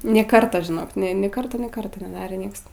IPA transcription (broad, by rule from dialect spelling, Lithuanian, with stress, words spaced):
nʲeː ˈkɐrtɐ ʒʲɪˈnoːk nʲeː ˈkɐrtoː nʲeː ˈkɐrtoː nʲɛˈdɑːrʲeː ˈnʲiɛks